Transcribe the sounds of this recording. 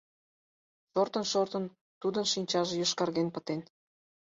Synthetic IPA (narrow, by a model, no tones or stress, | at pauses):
ʃort̪ə̆nʃort̪ə̆n | t̪ud̪ə̆nʃinʲt͡ɕɑʒĕjoʃkɑrɣenpə̆t̪en